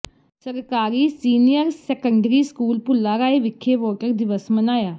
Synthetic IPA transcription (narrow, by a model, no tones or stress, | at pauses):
səɾkaːɾiːsiːnijəɾsɛkəɳɖɾiːskuːlpʊlːaːɾaːeːʋɪkʰːeːʋɔːʈəɾd̪ɪʋəsmənaːjaː